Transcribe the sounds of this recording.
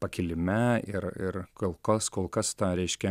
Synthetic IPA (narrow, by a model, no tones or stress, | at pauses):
pɐkʲɪlʲɪmʲɛɪɾɪɾkoːlˠkɐskoːlˠkɐst̪ɑɾʲɛɪʃʲkʲɛ